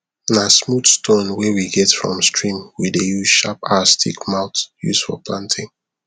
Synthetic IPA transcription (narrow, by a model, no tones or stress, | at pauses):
nasmudstʰõnwɛwiɡɛtfɹɔ̰̃mstɹĩmwidejuʃapastʰḭkmaʊtjṵsfɔ̰pʰlãntʰɪ̃ŋ